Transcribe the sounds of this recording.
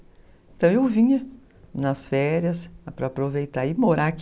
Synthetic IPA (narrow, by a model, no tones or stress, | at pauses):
ẽnt̪ɐ̃w̃ewvĩɲɐ | nɐsfɛɾjɐsɐpɾɐːpɾovejt̪aɪmoɾak